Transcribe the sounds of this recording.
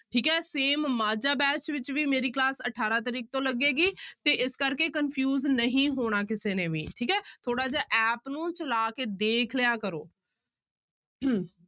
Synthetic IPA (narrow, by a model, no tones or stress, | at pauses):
ʈʰiːkɦɛːseːmːaːd͡ʒaːbɛːt͡ʃʋɪt͡ʃʋiːmeːɾiːklaːsəʈʰaːɾaːt̪əɾiːk̚t̪õːləɡeːɡiːt̪eːʔɪskəɾkeːkənpʰjuːznəɦĩːɦoːɽ̃aːkɪseːnẽːʋḭːʈʰiːkɦɛːt̪ʰoːɽaːd͡ʒaːʔɛːpnũːt͡ʃəlaːkeːd̪eːkʰlɪjaːkəɾoː